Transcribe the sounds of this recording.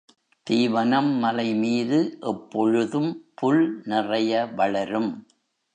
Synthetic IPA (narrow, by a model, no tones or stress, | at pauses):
t̪iːʋɐnɐmːɐlɐɪmiːðɯʔɛpːɔɻɯðɯmpʊɭnɪrɐjɐʋɐɭɐɾɯm